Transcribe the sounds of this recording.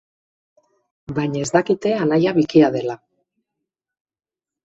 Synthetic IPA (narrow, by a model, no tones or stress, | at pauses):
baɲae̞zd̪akit̪e̞alajaβikiaðe̞la